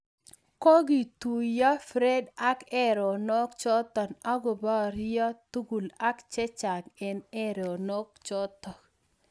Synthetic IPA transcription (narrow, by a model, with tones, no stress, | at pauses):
ko˦ɡi˨t̪u˨ja˦fɾe˦da˦kɛ˦ɾɔ˨nɔ˦kt͡ʃɔ˦t̪ɔ˨na˦ɡo˨ba˦ɾja˦t̪u˦ɡu˨la˦kt͡ʃɛ˦t͡ʃa˨ŋɛ˨nɛ˦ɾo˨nɔ˦k̚t͡ʃɔ˦t̪ɔ˨k